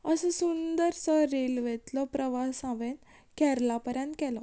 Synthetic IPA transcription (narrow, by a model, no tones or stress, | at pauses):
əsə̃sund̪əɾsəɾelʋet̪lɔpɾəʋasãʋen | kɛɾlapəɾjãnt̪kɛlɔ